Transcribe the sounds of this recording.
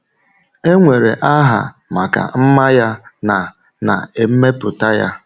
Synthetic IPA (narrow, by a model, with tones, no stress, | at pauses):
e˦ŋʷe˨ɾe˨ʔa˦ɦa̰˨ | ma˨ka̰˨m̩˦ma˦ja˦na˨ | na̰˨e˨m̩˦me˦pʊ˨ta˦ja̰˦